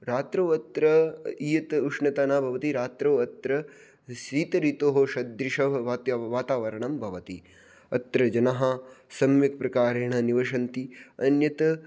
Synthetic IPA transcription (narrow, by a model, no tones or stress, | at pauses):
ɾaːt̪ɾoːɐt̪ɾɐijɐt̪uʂnɐt̪aːnaːbʱɐʋɐt̪iɾaːt̪ɾoːɐt̪ɾɐ | siːt̪ɐɾit̪oːɦoʃɐd̪ɾiʃɐʋʋat̪jʋaːt̪aːʋɐɾɐɳɐmbʱɐʋɐt̪i | ɐ̰t̪ɾɐd͡ʒɐnɐɦɐsɐmjɐk̚pɾɐkaːɾeːɳɐniʋɐʃɐnt̪iɐnjɐt̪ɐ